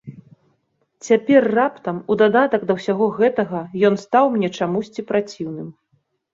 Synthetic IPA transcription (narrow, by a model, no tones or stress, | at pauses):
t͡sʲapʲɛrːapt̪ɐmud̪ad̪at̪ɐɡd̪ɐwsʲaɣɔɣɛt̪ɐɣɐjɔnst̪awmnʲɛt͡ʂamusʲt͡sʲipɾat͡sʲiwnɨm